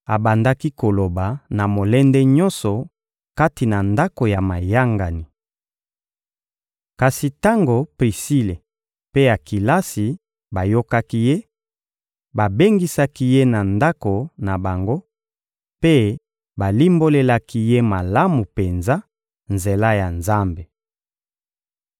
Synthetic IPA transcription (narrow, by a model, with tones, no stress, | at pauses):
a˨ba˨nda˦ki˦ko˨lo˨ba˨na˨mo˨lɛ˦ndɛ˦ɲɔ̃˦nsɔ˨ | ka˦ti˨na˨nda˦ko˨ja˨ma˨ja˦ŋɡa˨ni˨ | ka˨si˨ta˦ŋɡo˨pʁi˨si˦le˨ | pe˦ja˨ki˨la˦si˨ | ba˨jo˦ka˦ki˦je˦ | ba˨be˦ŋɡi˦sa˦ki˦je˦na˨nda˦ko˨na˨ba˨ŋɡo˦ | pe˦ | ba˨li˦mbo˦le˦la˦ki˦je˦ma˨la˦mu˨pe˨nza˦ | nze˨la˦ja˨nza˦mbe˨